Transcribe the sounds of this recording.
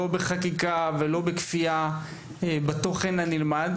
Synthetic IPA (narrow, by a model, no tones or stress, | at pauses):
obeχakikavelo̞bekfia | ebat̪o̞χenanilmad